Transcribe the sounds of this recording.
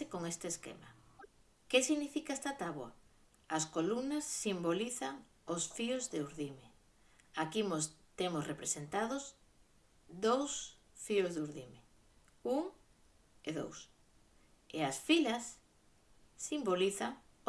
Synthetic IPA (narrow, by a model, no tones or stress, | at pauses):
ɪkoŋest̪eskḛma̰ | kesiɣnifikaest̪at̪aβwa | askolumnɐsːimboliθaŋ | osfiʊzðeuɾðime | akimost̪emʊsrepɾesent̪aðʊs | d̪ows | fiozðuɾðime | uŋ | eðo̰ws | easfilɐs | imboliθaŋ